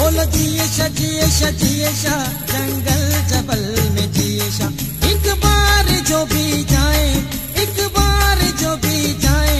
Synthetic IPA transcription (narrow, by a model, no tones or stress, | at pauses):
oːld͡ʒiːeʃad͡ʒieʃad͡ʒieʃa | d͡ʒɐ̃ŋɡəld͡ʒɐbəlmẽd͡ʒieʃa | ɪ̃kbaːɾɪd͡ʒoːbʱid͡ʒaːẽ | ɪkbaːɾɪd͡ʒoːbʱid͡ʒaːẽː